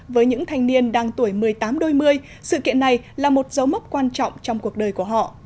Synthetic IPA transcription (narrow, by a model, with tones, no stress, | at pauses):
vəː˨˦jɲɨ̰˧˥ŋt̪ʰa˨˩jŋ̟ni˧ənɗaː˧ŋt̪u˧˩əjmɨ˨˩əjt̪aː˨˦mɗo˧jmɨ˧əj | sɨ̰˧˨kḭ˧˨ənːa˨˩jlaː˨˩mo˨˩t̚zə˨˦wmə˦˥p̚kwaː˧nt͡ɕɔ̰˧˨wŋ͡mt͡ɕɔ˧wŋ͡mku˨˩ək̚ɗəː˨˩jku˧˩əɦɔ̰˧˨